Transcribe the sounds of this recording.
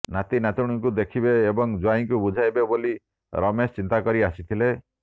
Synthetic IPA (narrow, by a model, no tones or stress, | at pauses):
nat̪inat̪uɽ̃uŋkud̪ekʰibeːbɔŋd͡ʒuaiŋkubud͡ʒʱajbeboli | ɾɔmest͡ʃint̪akɔɾiasit̪ʰile